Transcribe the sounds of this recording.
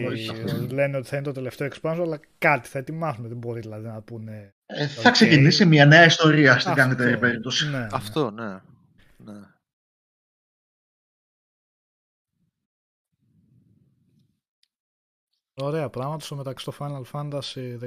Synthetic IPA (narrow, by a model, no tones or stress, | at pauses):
le̞nio̞t̪i̥θɐinet̪oe̞le̞ft̪eoekspɐnsoɐlɐ | kɐt̪i̥θɐe̞t̪imɐsuneðebo̞ɾiðilɐðinɐpune | θɐkse̞cinisimɲɐneɐist̪o̞ɾiɐst̪iɡɐnt̪eɾipe̞ɾip̚t̪o̞sineɐft̪one | ne | o̞ɾe̞ɐpɾɐɣmɐt̪osme̞t̪ɐksi̥t̪ofɐnɐlfɐnd̪ɐsiðe